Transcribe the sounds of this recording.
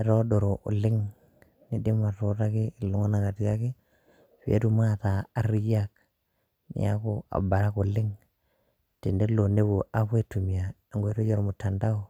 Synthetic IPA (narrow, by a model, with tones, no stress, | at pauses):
e˨ɾo˦do˨ɾo˨ʔṵ˨lɪ˦ŋ | ni˦de˦ma˨to˦ɾa˦kɪ˦˨lu˨˦ŋo˦na˨ka˨ti˨ka˦ki˦ | pi˨˦ḛ˦tu˦ma˦˨taː˨˦ri˦ja˦k̚ | nḭ˨˦a̰˦ko˦a̰˨ba˨ɾa˦ku˨lɪ˦ŋ | ti˨nde˦lo˨ne˦βo˨ʔa˦βwe˦tu˨mi˨a˨a˨ŋɡe˦to˦jo˦ɾo˨mu˨tːa˨nda˦o˦˨